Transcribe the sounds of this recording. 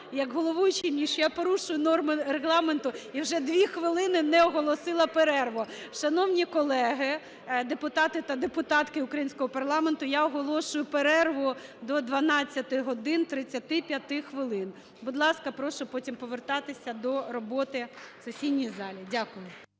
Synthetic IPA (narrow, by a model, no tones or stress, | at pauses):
jɐɡɦɔlˠɔʋujʊt͡ʃinʲiʃɔjapɔɾuʃʊjʊnɔrmɪreɦlˠɑment̪ʊiwʒɛd̪ʋʲixʋɪlˠɪnɪnɛɔɦɔlˠɔsɪlˠɐpeɾɛrʋɔʃɐnɔwnʲikɔlˠɛɦɪ | d̪epʊt̪ɑt̪ɪt̪ɐd̪epʊt̪ɑt̪kɪʊkɾɐjinʲsʲkɔɦɔpɐrlˠɑment̪ʊjaɔɦɔlˠɔʃʊjʊpeɾɛrʋʊd̪ɔd̪ʋɐnɑt͡sʲːɐt̪ɪɦɔd̪ɪnt̪ɾɪt͡sʲːɐt̪ɪpʲjɐt̪ɪxʋɪlˠɪn | bʊd̪lˠɑskɐpɾɔʃʊpɔtʲimpɔʋert̪ɑt̪ɪsʲɐd̪ɔɾɔbɔt̪ɪsʊsʲidnʲijzɑlʲidʲakʊjʊ